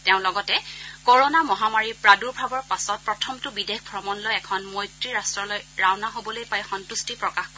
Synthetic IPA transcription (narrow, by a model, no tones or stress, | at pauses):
tɛʊ̃lɔɡɔtɛkoɹonamɔɦamaɹipɹaduɹbʱɹabɔɹpasɔt̚pɹɔtʰɔmtʊbidexbʱɹɔmɔnlojɛkʰɔnmɔjtɹiɹastɹɔlojɹawnaɦobɔlojpajxɔntustipɹɔkaxko